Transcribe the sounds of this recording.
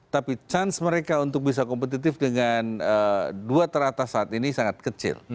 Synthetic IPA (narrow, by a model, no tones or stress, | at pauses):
t̪apit͡ʃansməɾekaunt̪ʊk̚bis̬akɔmpət̪̬it̪ɪfdəŋanəduat̪əɾat̪asaːt̪inisaŋat̪̚kət͡ʃɪ̰l